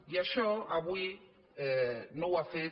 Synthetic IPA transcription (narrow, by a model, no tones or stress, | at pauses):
jaʃɔabwi | nowafe